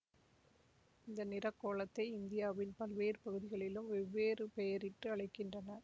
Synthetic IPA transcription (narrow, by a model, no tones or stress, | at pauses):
ɪnd̪ɐnɪrɐkːoːɭɐt̪ːɐɪɪnd̪ɪjaːʋɪnpɐlʋeːɾpɐɣɯðɪɣɐɭɪlɯmɛʋːeːɾɯpɛjɐɾɪʈrɯɐɭɐɪkːɪndrɐnɐ